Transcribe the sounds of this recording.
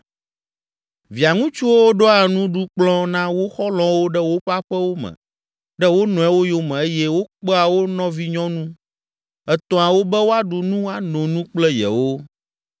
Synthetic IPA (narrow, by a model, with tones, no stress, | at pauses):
vi˨a˨ŋũ˦t͡ʃu˦wo˦wo˦ɖɔ˦a˨nũ˦ɖu˦k͡plɔ̃˦nã˦wo˦xɔ˦lɔ̃˦wo˦ɖɛ˦wo˦ɸa˦ɸɛ˦wo˦mɛ̰̃˨ | ɖɛ˦wo˦nɔ̃˨ɛ˦wo˦jo˦mɛ̃˨e˦jɛ˦wo˦k͡pɛ˦a˨wo˦nɔ̃˦vi˦ɲɔ̃˦nũ˦ | ɛ˨t̪ɔ̃˨a˨wo˦bɛ˦wo˦a˦ɖu˨nũ˦a˨nõ˨nũ˦k͡plɛ˦jɛ̰˨wo˦